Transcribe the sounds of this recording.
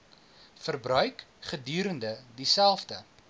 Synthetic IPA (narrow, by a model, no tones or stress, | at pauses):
fərbrœɥkχədyːɾəndədisælˠfdə